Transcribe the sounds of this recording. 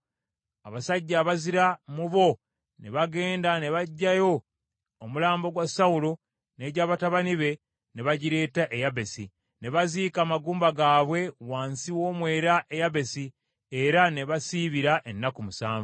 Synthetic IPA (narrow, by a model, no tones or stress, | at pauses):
aβasaɟːaːβaziɾamuβo̞ | ne̞βaɡe̞ːndane̞βaɟːajo̞ː | mulaːmbo̞ɡwasawulo | ne̞ːɟaːβataβaniβe̞ | ne̞βaɟiɾe̞ːtaʔejaβe̞sḭ | ne̞βaziːkaːmaɡuːmbaɡaːβwe̞waːnsiwo̞ːmwe̞ːɾaʔe̞jaβe̞si | eɾane̞βasiːβiɾaʔenːakumusaːɱvu